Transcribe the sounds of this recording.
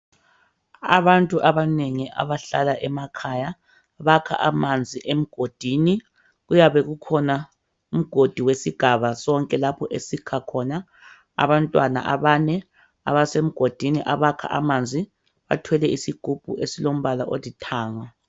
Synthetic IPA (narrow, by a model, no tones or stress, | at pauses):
a̰βantʼuʔaβaneŋiʔa̰βaɬalaʔɛmakʰaja | βakʰa̰ʔamand͡zʱiʔem̩ɡ̥ʱod̥ʱini | ɣujaβɛɣukʰɔna | um̩ɡ̥ʱod̥ʱiwesiɡ̥ʱaβasɔŋkʼɛlapʰɔʔesikʰakʰɔna | a̰βantʼwana̰ʔa̰βanɛ | a̰βasem̩ɡ̥ʱod̥ʱiniʔaβakʰa̰ʔa̰mand͡zʱi | βa̰tʰwɛlɛʔisiɡ̥ʱub̥ʱṵʔesilom̩βalaʔolitʰaːŋa